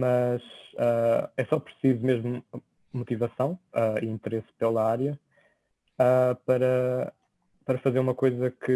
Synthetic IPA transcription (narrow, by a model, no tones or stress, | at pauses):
mɐʃaɛsɔpɾɨsizumeʒmu | mut̪ivɐsɐ̃w̃aiĩnt̪ɨɾespelˠɐaɾjɐ | apɐɾɐ | pɐɾɐfɐzeɾumɐkojzɐkɨ